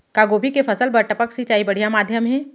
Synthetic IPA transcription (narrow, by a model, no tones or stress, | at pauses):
kaːɡoːbʱikepʰɐsəlbɐɾʈəpəksit͡ʃaːibɐɽ̤ijamaːd̪ʱjəmɦɛ̃ː